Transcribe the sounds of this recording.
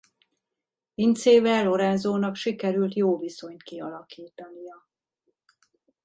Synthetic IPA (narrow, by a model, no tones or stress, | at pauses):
int̪seːvɛlːo̞ɾɛnzoːnɒkʃikɛɾylt̪joːviso̞ɲt̪kiɒlɒkiːt̪ɒnijɒ